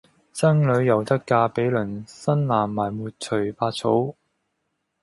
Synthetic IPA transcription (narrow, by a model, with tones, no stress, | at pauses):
t͡sɐ˥ŋlɵ˨˧ɥjɐ˨˩wt̪ɐ˥kkːaː˧pe˨˥jlɵ˨˩nsɐ˥nlaː˨˩nmaː˨˩jmuː˨t̚t͡sʰɵ˨˩ɥfaː˧t̚t͡sʰo˨˥w